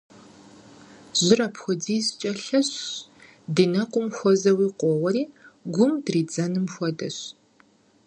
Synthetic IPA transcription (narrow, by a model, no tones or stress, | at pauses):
z̥ɪrɐpxʷɔd͡ziːzt͡ʃʼɐɬɐɕ | dɨnɐqʷʼʊmxʷɔzɐwiːqʷɔːwɐɾiːɡʷʊmdriːd͡zɐnɨmxʷɔdɐ̰ɕ